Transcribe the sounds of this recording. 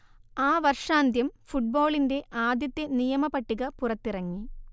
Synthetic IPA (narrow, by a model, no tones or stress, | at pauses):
aːʋɐrʂaːnd̪ʱjɐmfuʈ̚boːɭinde̞ʔaːd̪jɐt̪ːjenijɐmɐpɐʈːiɣɐpurɐt̪ːirɐŋːi